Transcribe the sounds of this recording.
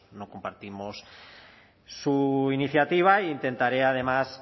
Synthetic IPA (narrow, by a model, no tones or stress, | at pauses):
nokompaɾt̪imos | uiniθjat̪iβ̞aiːnt̪e̞nt̪aɾeað̞e̞mas